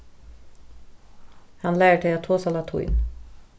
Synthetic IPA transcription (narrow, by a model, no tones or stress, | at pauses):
hɑnlæːəʈʰeɑt̪ʰoːsɑlɑt̪ʰṵɪ̰n